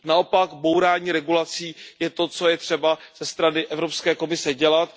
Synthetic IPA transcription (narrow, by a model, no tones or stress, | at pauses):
nao̞pakbo̞wɾaːɲiːɾɛɡulat͡siːjɛt̪o̞t͡so̞jɛt̪r̝̥ɛbaz̥ɛst̪ɾanɪʔɛvɾopskɛːko̞mɪsɛɟɛlat̪